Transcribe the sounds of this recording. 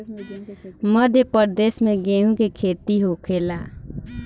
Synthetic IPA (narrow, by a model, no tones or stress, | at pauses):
mʌd̪ʱjepʌɾd̪esmeɡeũkekʰet̪iɦokʰela